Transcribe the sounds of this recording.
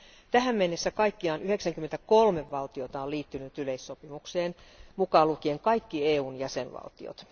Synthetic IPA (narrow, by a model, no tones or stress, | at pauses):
t̪æhæmmenːesːækɑikːiɑːnyheksæŋkymːent̪ækolmeʋːɑlt̪iot̪ɑoliːt̪ːynyt̪yleisːopimukseːnmukɑlukieŋkɑikːieːuːnjæsenʋɑ̰lt̪ḭo̰t̪